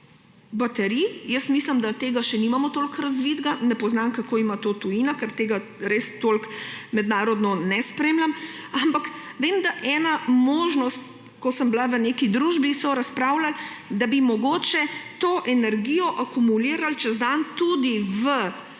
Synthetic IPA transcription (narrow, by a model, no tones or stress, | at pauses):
bat̪ɛɾijəsmisləmd̪at̪eːɡaʃɛnimamɔt̪oːlkɾazʋid̪ɡanɛpɔznamkakoːimat̪oːt̪ujinakɛɾt̪eːɡa | ɾeːst̪oːlkmɛd̪naːɾɔd̪nɔnɛspɾeːmlʲamampakʋeːmd̪aʔɛːnamoːʒnɔst̪ | kɔsəmblaʋəneːkid̪ɾuʒbisɔɾaspɾaːwlald̪abimɔɡoːt͡ʃɛt̪oːʔɛnɛɾɡijɔʔakumuliːɾalt͡ʃɛzd̪ant̪ud̪iʋə